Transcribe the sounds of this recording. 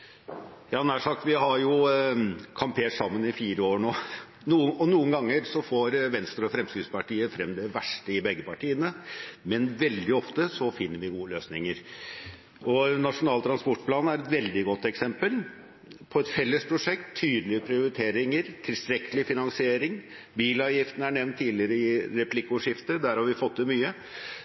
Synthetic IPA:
jɑːnæʂɑk̚t̪ʋɪɦɑɾjʊ | kʰɑmpʰeːʈsɑmːənɪfiːɾəoːɳoː | nuːəɔnuːənɡɑŋːəɾsɔfoːɾʋɛnst̪əɾɔfɾɛmsk̪ɾɪspɑʈiːəfɾɛmd̪ɛʋæʂʈəɪbɛɡːəpɑʈʰiːənəmɛnʋɛld̪ɪɔft̪əsɔfɪnːəɾʋɪɡuːəløːsnɪŋəɾ | ʔɔnɑʂʊnɑːlt̪ʰɾɑnspɔʈpʰlɑːnæɾɛt̪ʋɛld̪ɪɡɔt̪ːɛksɛmpəl | pʰɔɛt̪fɛlːəspʰɾʊʂɛkt̪ʰːyːd̪lɪəpʰɾɪʊɾɪt̪ʰeːɾɪŋəɾt̪ʰɪlst̪ɾɛkʰːəlɪfɪnɑŋsɪeːɾɪŋ | biːlɑːʋjɪft̪ənəæɳɛʋnt̪ʰːiːlɪəɾəɪɾɛpʰlɪkːʊʂɪft̪əd̪æɾhɑɾʋɪfɔt̪̚ːd̪ɛmyːə

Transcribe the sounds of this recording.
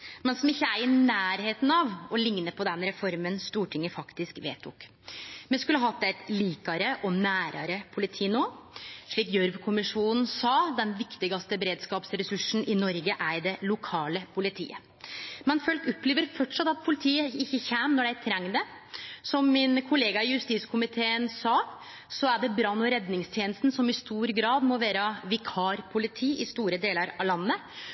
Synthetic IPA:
mɛnsɔmɪçːəæɾɪnæːɾheːt̪n̩ɑʋɔlɪŋnəpʰɔd̪ɛnɾɛfɔɾmənst̪uːʈʰɪŋːəfɑkt̪ɪskʋeːt̪ʰʊ̰k | mɛskʉlːəɦɑt̪ːæt̪liːkɑɾəʔɔnæːɾɑɾəpʰʊlɪt̪ʰiːnoːʂɭiːkjœɾʋkʰʊmɪʂuːnən̩sɑːd̪ɛnʋɪkt̪ɪɡɑst̪əbɾeːd̪skɑːpsɾɛsʉʂn̩ʔɪnɔɾɡəʔæɾd̪ɛlʊkʰɑːləpʰʊlɪt̪ʰḭːə | mɛnfœlkʊpːleːʋəɾfɔʈʂɑt̪ːɑt̪̚pʰʊlɪt̪ʰiːəɪçːəçæmnɔɖæɪt̪ʰɾɛŋːd̪əsɔmːɪnkʰʊleːɡɑɪjʉst̪iːskʰʊmɪt̪ʰeːənsɑː | sɔæɖɛbɾɑnːʊɾɛd̪nɪŋst̪ʰjeːnəst̪n̩sɔmɪst̪uːɾɡɾɑːd̪mɔʋæːɾɑʋɪkʰɑːɾpʰʊlɪt̪ʰiːʔɪst̪uːɾəd̪eːləɾɑlɑnːə

